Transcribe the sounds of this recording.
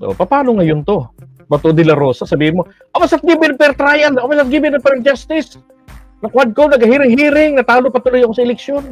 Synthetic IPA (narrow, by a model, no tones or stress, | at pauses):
ʔo̰pɐpaːnoŋɐjont̪o̞ | bɐt̪od̪ɪlɐɾo̞ːsɐsɐbiːhɪnmo̞ | ʔabasat̪̚ɡibɪnɐŋpɛɾt̪ɾajɐnabasat̪̚ɡibɪnɐpɛɾd͡ʒast̪ɪs | nɐŋkwad̪̚kowd̪nɐɡɐhiːɾɪŋɦiːɾɪŋnɐt̪aːlopɐt̪ʊlojɐkosɐɪlɛksjon